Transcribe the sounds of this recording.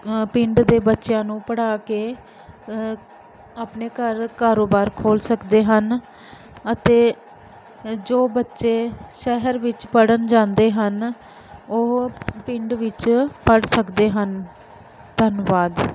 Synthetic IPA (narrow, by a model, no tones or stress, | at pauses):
pɪɳɖd̪eːbətːʃjãːnũːpəɽaːkeː | aːpneːkəɾkaːɾoːbaːɾkʰoːlsəkd̪eːɦən | ət̪eː | d͡ʒoːbətːʃeːʃɛɦəɾʋɪt͡ʃpəɽənd͡ʒãːnd̪eːɦən | oːpɪ̃ɳɖʋɪt͡ʃpəɽsəkd̪eːɦən | d̪ʱənʋaːd̪